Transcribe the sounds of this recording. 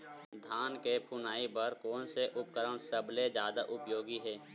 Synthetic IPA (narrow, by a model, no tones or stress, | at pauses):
d̪ʱaːnkepʰunaːipəɾkɔːnseʔʊpkəɾəɽ̃səbled͡ʒjaːd̪aʔʊpjoːɡiɦɛː